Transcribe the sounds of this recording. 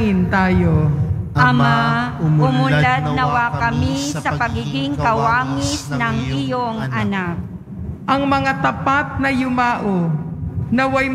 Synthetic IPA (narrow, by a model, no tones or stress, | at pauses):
ɪnt̪aːjoʔɐmaʊmʊlat̪nɐwakɐmissɐpɐɡiɡɪŋkɐwaːŋɪsnɐŋɪjoŋʔɐnak̚ | ʔɐŋmɐŋat̪ɐpat̪̚nɐjʊmaːʔo | nɐwajm